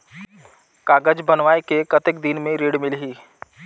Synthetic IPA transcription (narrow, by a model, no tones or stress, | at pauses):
kaːɡəd͡ʒbənʋaːekekət̪ɪk̚d̪ɪnmẽɾeːɽmɪlɦiː